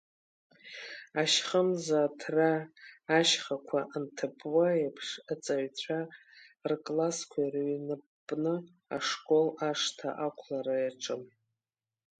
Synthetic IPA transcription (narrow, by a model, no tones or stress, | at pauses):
aʃχəmzatʰraː | ʃχakʷʰaʔntʰɨpʰwajapʰʂat͡sʼaɥt͡ɕʷʰa | rkʼlaskʷʰajrɥinɨ | pʼnɨ | aʂkʼo̞laʂtʰa̰ʔakʷʰlaɾajaʈ͡ʂʼɨm